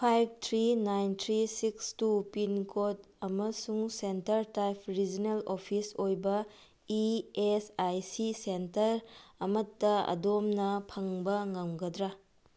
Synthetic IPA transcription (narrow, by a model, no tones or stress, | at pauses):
pʰajb̚ʱtʰɾinajntʰɾisikstupinkʰot | ɐmɐsuŋsentɐɾtajpʰɾid͡ʒinelopʰisojbɐ | iesajsisentɐɾɐmɐtːɐɐ̰domnɐpʰɐŋbɐŋɐŋɡɐdɾa